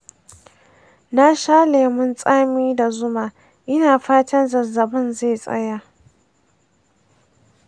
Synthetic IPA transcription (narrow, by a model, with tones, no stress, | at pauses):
na˦ʃaː˦leː˨mɪ˦nsʼaː˦miː˦da˨zʊ˦maː˨ | ʔɪ˦naː˨ɸaː˦tʰɐ˦nzɐ˨zɐ˨bɐ˦nze˦˨sʼɐ̰˦ja˦